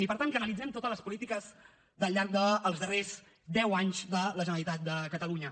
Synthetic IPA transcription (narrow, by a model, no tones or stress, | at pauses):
ipəɾt̪aŋkənəlid͡zɛmt̪ot̪əzləspulit̪ikəz | d̪əlˠʎːaɾk̚d̪əːlˠzðərez | d̪ɛwaɲzðələʒənəlit̪at̪̚d̪əkət̪əluɲə